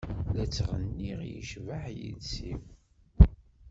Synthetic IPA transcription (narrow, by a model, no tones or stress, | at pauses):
læt͡sːʁənːiʁjəʃvaħjə̰lsiw